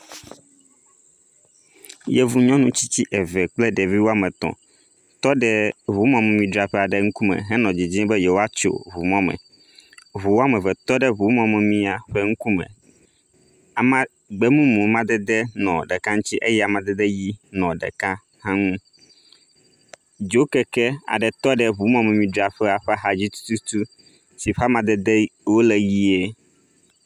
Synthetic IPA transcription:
jɛ˨vu˨ɲɔ̃˦nũ˦t͡ɕi˦t͡ɕi˦ʔɛ˨vɛ˨k͡ple˦ɖe˨vi˦wo˦a˦mɛ̃˨t̪ɔ̰̃˨ | t̪ɔ˦ɖɛ˦βu˨˦mɔ̃˦mɛ̃˨mĩ˦ɖɾa˦ɸɛ˦a˨ɖɛ˦ŋ̩˦ku˦mɛ̰˨ɦɛ˦nɔ̃˨d͡ʑi˨d͡ʑĩ˦bɛ˦jɛ˨wo˦a˦t͡ʃo̰˨βu˨mɔ̃˦mɛ̰̃˨ | βu˨wo˦a˦mɛ̃˨vɛ˨t̪ɔ˦ɖɛ˦βu˨˦mɔ̃˦mɛ˨mĩ˦a˨ɸɛ˦ŋu˦ku˦mɛ̰̃˨ | a˨mã˦ | ɡ͡bɛ˦mũ˦mũ˨mã˦d̪ɛ˦d̪ɛ˦nɔ̰̃˨ɖɛ˨kã˦ŋ̩̃˦t͡ɕi˦ʔe˦jɛ˦a˨mã˨d̪ɛ˦d̪ɛ˦ji˦nɔ̃˨ɖɛ̰˨kã˦ | hã˦ŋũ˦ | d͡ʒo˦kɛ˨kɛ˦a̰˨ɖɛ˨t̪ɔ˦ɖɛ˨βu˨˦mɔ̃˦mɛ̃˨mĩ˦ɖa˨ɸɛ˦a˨ɸɛ˦ɦa˨d͡ʑi˦t̪u̥˦t̪u˦t̪u˦ | si˨ɸa˦mã˨d̪ɛ˦d̪ɛ˦wo˦lɛ˨ji˦e˦

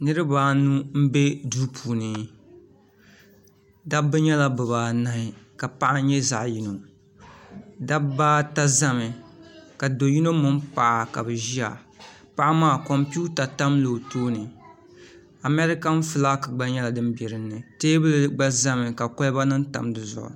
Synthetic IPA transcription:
nɨ˦ɾɨ˦baː˨˦nu˦m̩˦be˦duː˦pʰuː˨nɨ˨ | da˦bɨ˦ɲɛ˦la˦bɨ˨βaː˨na˦hɪ˨ka˨pa˦ʔa˦ɲɛ˦za̰˨ʔji˦no˨ | da˦bbaː˦ta˦za˦mɪ˨ka˨do˨ji˦no˦mʊ˦m˦pa˨ʔa˨ka̰˨bɨ˨ʒi˦a˨ | pa˦ʔa˦maː˦kɔ˨mpi˦u˦ta˨ta˦mlo˨toː˦nɨ˨ | a˨mɛ˦ɾɪ˦ka˦n̩˦fɨ˨la˦ka˨ɡ͡ba˦ɲɛ˦la˨dɨ˦m˦bɛ˨ɾɨ˦nːɨ˨teː˦bɨ˦lɡ͡ba˦za˦mɨ˨ka˨kɔ˦lba˦nɨ˦n˦ta̰˨mdɨ˨zʊ̰˨ʔʊ̰˨

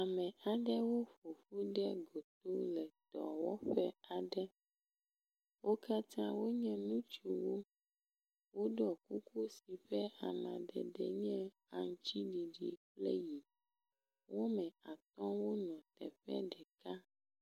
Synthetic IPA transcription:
a˨mɛ̃˨a˨ɖɛ˦wo˦ɸo˨ɸu˦ɖɛ˦ɡo˨t̪o˦lɛ˨t̪ɔ̰˨wɔ̰˦ɸɛ˦a˨ɖɛ˦ | wʔo˦ka˦t̪ã˦wo˦ɲɛ̃˦nũ˦t͡ʃu˨wo˦ | wo˦ɖɔ˨ku˦ku˦si˨ɸɛ˦a̰˨mã̰˨ɖɛ̰˨ɖɛ̰˨ɲɛ̃˦ | a˨ŋ˦t͡ɕi˦ɖi˨ɖi˨plɛ̰˦ji˨ | wo˦mɛ̃˨a˨t̪ɔ̃˦wo˦ɲɔ̃˨t̪ɛ̰˨ɸɛ̰˦ɖɛ˨ka˦

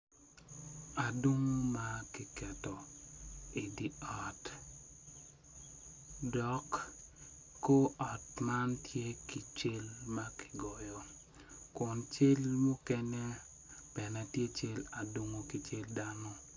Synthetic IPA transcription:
a˨do˦ŋo˦ma˦ki˨kɛ˨tɔ˨ | e˨di˨ɔ˨t | dɔ˨kː | o˦ʔɔ˨tma˦ntje˦ki˨t͡ʃe˦lma˦kɪ̥˨ɡɔ˨jɔ˨ | kʊ˨nt͡ʃe˦lmu˦kɛ˦ne˦ | b̥ɛ˨na˨tje˦t͡ʃe˦la˨do˦ŋo˦ki˨t͡ʃe˦lda˦nɔ˦

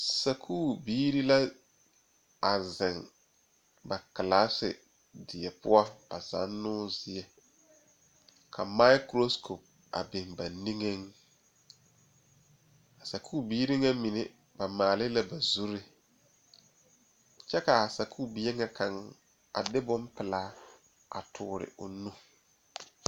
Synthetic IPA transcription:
sa˨kʰuː˦˨biː˦ɾi˦la˦ | a˨zɪ˨ŋ | ba˨ka˨laː˦sɪ̰˨ | dɪ˨ɛ˨pʊ˦a˦ba̰˨za̰˨˦nːʊː˦zɪ˨ɛ˨ | kʰa˨ma˦ɪ˦kɾo˦skʰo˨p̚ | a̰˨bɪ˨ŋba˨ni˦ŋe˦ŋ | a˨sa˨kʰuː˦˨biː˦ɾi˦ŋa˦mi˨ne˨ | ba˨maː˨lɪ˦la˨ba˨zu˦ɾɪ˦˨ | t͡ʃɛ˦ka˨a˨sa˨kʰuː˦˨bi˦e˦ŋa˦kʰa˨ŋ | a̰˨dɪ˦bʊ˦mpɪ˨laː˦ | a̰˨tʰʊː˨ɾɪ̰˨ʔʊ̰˨nũ˦

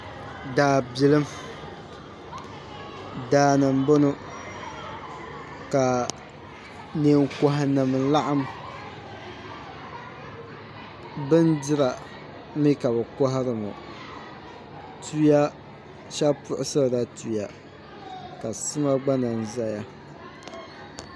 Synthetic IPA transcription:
daː˨bɪ˨lɨ˦m | daː˦nɨ˨m˦bo˦nʊ˦ | ka˨ | ne˨ŋkɔ˨ɦa˨nɨ˨m˨˦la˦ʔa˦m | bɨ˦ndɪ˦ɾa˨ | mi˦ka˨bɛ˨kɔ˦ɦa˦ɾɨ˨mʊ̰˨ | tu˦ja˦ | ʃa˦pʊ˨ʔʊ˦sɨ˦˨da˦tu˨ja˨ | ka˨sɨ˦ma˦ɡ͡ba˦na˨n˨za˦ja˦

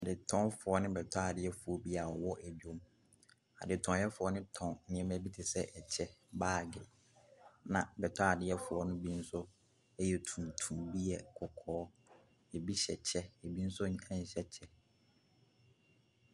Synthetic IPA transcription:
a˨dɪ˨tʰɔ̃˦fʊ˨ɔ˦nɪ̃˦bɛ˨tʰɔ˦a˨dɪ˦ɛ˦fʊ˨ɔ˦bi˦a˨ɔ˨wɔ˦ʔæ˨d͡ʑᶣo˦m | a̰˨dɪ˨tʰɔ̃˨˦jɛ˦fʊ˨ɔ˦nɪ̃˦tʰɔ̃˨n˨ɲɪ̃˨ɛ̃˦mæ˦bi˦tʰɪ˨sɛ˦ʔɛ˨t͡ɕʰɛ˦baː˦˨ɡɪ˨ | nã˨bɛ˨tʰɔ˦a˨dɪ˦ɛ˦fʊ˨ɔ˦nʊ̃˦bi˦n̩˦sʊ˦ | ɛ˦jɛ˨tʰũ˨mtʰũ˨mbi˦ɛ˨kʰɔ˨kʰɔː˨˦ | e˨bi˦ɕɛ˨t͡ɕʰɛ˦ɛ˨bi˦n̩˦sʊ˦ɲ˦ɛ̃˦ɲ̩˨ɕɛ˦t͡ɕʰɛ˦

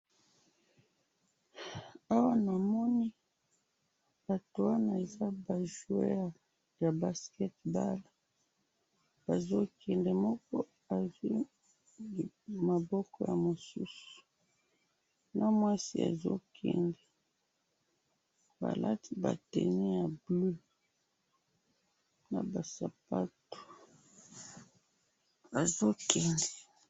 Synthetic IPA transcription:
a˦wa˦na˨mɔ˦ni˦ | b̥a˨to˨wa˦na˨e˨za˦ba˨ʒu˨e˦˨ | ja˨ba˨skɛ˦tba˦la˨ | b̥a˨zo˦kʰɛ˨ndɛ˨mɔ˦kɔ˦ | a˨zi˦ | i˨ | ma˨bɔ˦kɔ˦ja˨mo˨su˦su̥˨ | na˦mwa˦si˦a̰˨zo̰˦kʰɛ̰˨ndɛ˨ | ba̰˨la˦ti˦ba̰˨tɛ̰˨nɛ˦ja˨blø˦ | na˨ba˨sa˨pa˦to̥˨ | a˨zo˦kɛ˨ndɛ˨

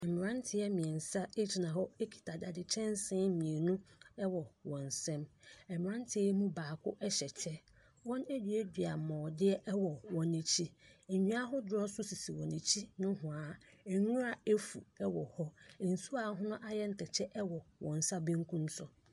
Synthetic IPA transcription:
ɛ˨mɪ̃˨ɾã˦n˦tʰɪ˨ɛ˦mĩ˨ɛ˨n˨sa˦e˦d͡ʑi˨nã˨ɦɔ˦e˦kʰi̥˨tʰa˨da˨dɪ˨t͡ɕʰɛ̃˦n˦sɪ̃˦mĩ˨e˨nũ˦ɛ˦wɔ˨wɔ̃˨n˨sɛ̃˦mɛ˨mɪ̃˨ɾã˦n˦tʰɪ˨˦ɛ˦mũ˦baː˨kʰʊ˦ʔɛ˦ɕɛ˨t͡ɕʰɛ˦ | wɔ̃˦næ˦dɥe˦di˨a˨mɔ̃ː˨dɪ˦ɛ˦ʔwɔ˨wɔ̃˨nːĩ˨t͡ɕʰi˦e˨ɲᶣĩ˦a˦ɦʊ˦dʊ˦ɾɔ˦sʊ˦si˨si˨wɔ̃˨nĩ˨t͡ɕʰi˦nʊ̃˦hʊ̃˨a˨ɛ˨ŋũ˦ɾa˨e˦fṵ˨ɛ˦wɔ˨hɔ˦˨n̩˨su˦a˨˦ɦʊ̃˦nʊ̃˦ʔa˦jɛ˦n̩˨tʰɛ˨t͡ɕʰɛ˦ʔɛ˦wɔ˨wɔ̃˨n˨sa˦bẽ˦ŋkʰũ˦msʊ˨

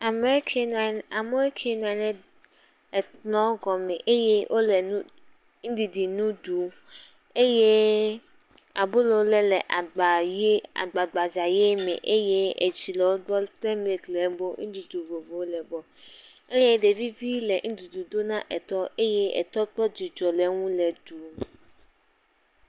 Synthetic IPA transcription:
a˨me˦ɾi˦kʰe˨n˨na˨me˦ɾi˦kʰe˦n˨ã˨lɛ˨ | ɛ˨tnɔ̃˦ɡɔ˨mẽ˨ʔe˦je˦wʔo˦lɛ˨nũ˦ | ŋ̩˦di˨di˨nũ˦du˨ | e˦je˦ | a˨bo˦lo˨wo˦lɛ˨lɛ˨ʔa˨ɡ͡ba˨je˦a̰˨ɡ͡ba˨ɡ͡ba˨d͡ʒa˨je˦mḛ̃˨ʔe˦je˦ḛ˨t͡ʃi˨lɛ˨wo˦dɔ˦t̪ɛ˦m˦e˨klɛ˨˦bo˦ŋĩ˦di˨du˨vo˨vo˨wo˦lɛ˨bɔ˨ | e˦je˦ɖe˨vi˦vi˦lɛ˨ŋ̩̃˦du˨du˨d̪o˦nã˦ʔɛ˨t̪ɔ˦ʔe˦je˦ɛ̰˨t̪ɔ˦k͡pɔ˦d͡ʒi˨d͡ʒɔ˨lɛ˨˦ŋũ˦lɛ˨du˨˦

